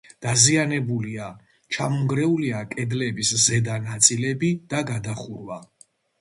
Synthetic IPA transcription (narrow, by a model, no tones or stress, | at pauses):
d̪̥azianɛbulia | t͡ʃʰamɔŋɡɾɛuliakʼɛd̪lɛbiszɛd̪anat̪sʼilɛbid̪̥aɡad̪aχuɾwa